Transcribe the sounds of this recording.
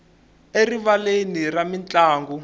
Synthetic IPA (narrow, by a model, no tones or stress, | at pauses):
eriβaleniramint͡ɬʼaːŋɡu